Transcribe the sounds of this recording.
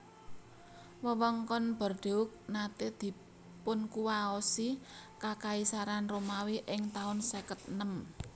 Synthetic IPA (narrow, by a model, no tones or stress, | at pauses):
wəwəŋkɔnb̥ə̤rd̪̥e̤ʊk̚nat̪ed̪̥i̤ | pʊnkuwaosikakaisaɾanromawiʔɪŋt̪aʊnsɛkət̪̚nəm